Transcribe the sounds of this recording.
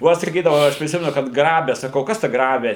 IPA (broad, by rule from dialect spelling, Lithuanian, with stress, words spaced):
oː ˈɐʃ sɐˈkʲiːdɐʋɐʊ ˈɐʃ pʲrʲɪˈsʲɪmʲɛnʊ kɐt ˈɡrɑːbʲɛ sɐˈkɐʊ ˈkɐs tɐ ˈɡrɑːbʲɪ